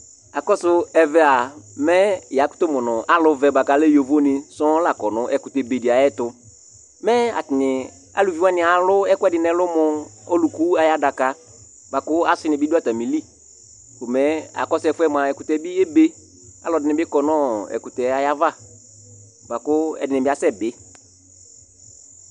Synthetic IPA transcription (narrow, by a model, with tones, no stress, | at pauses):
a˨kɔ˦sʊ˦ɛ˨vɛ˦a˨mɛ˦˨ja˨˦kʊ̥˦to˦mɔ˨nɔ˨ʔa˨lʊ˨˦vɛ˨ba˨ka˨˦le˦jo˨vo˦nɪ˨sɔ˦la˨kɔ˨nʊ̃˨˦ʔɛ˨kʊ˨tɛ˨be˨dɪ˨a˨jɛ˦tʊ˨ | mɛ˦a̰˨tɪ˨nɪ˨ | a̰˨lu˨vi˦wa˦nɪ̃˨a˨lʊ˦ɛ˦kɛ˦dɪ˨nɛ˨lʊ˦mʊ˨o˦lu˨ku˦a˨ja˦da˨ka˦ | ba˨kʊ˦a˦sɪ˨˦nɪ˨bɪ˦dʊ˦a˦ta˨mĩ˨li˦˨ | kʊ˨mɛ˨˦a̰˨kɔ˦sɛ˨fʊ˦ɛ˦m˨a˨ɛ˨kʊ˨tɛ˨˦bɪ˦e˦be˦ | a̰˨lɔ˨dɪ˨nɪ˨bɪ˦kɔ˨nɔ̃˦ɛ̰˨kʊ˨tɛ˨a˨ja˦va˦˨ | ba˨kʊ˦ɛ̰˨dɪ˨nɪ˨bɪ˦a˨sɛ˦˨bɪ˦